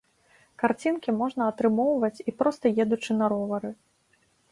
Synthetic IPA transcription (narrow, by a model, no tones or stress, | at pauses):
kart͡sʲinkʲimɔʐnɐɐt̪ɾɨmɔwvɐt͡sʲipɾɔst̪ɐjɛd̪ut͡ʂɨnɐɾɔvɐɾɨ